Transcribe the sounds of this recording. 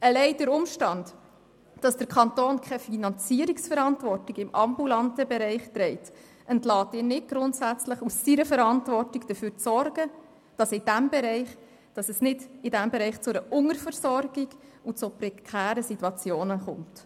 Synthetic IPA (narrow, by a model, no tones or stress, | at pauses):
əlɛɪd̥əɾʊmʃtɑnd | d̥ɑsd̥əɾkʰɑntoːnkʰɛfinɑnt͡siəɾiksfəɾɑntvɔrtiɡɪmʔɑ̰mbulɑntəbɛɾɛɪχt̪ɾɛɪt | ʔəntlɑːtɪːnɪd̚ɡ̥ɾʊntsæt͡sləχusːiɾəfəɾɑntvɔrtiɡd̥əfyːɾt͡sɔrɡə | d̥ɑsɪd̥æmbɛɾɛɪχ | d̥ɑsəsnɪdɪdæmbɛɾɛɪχt͡sʊɾəʔʊŋəɾfəɾsɔrɡiɡ̥ut͡supɾɛkʰæːɾəsituɑt͡sjoːnəχʊmt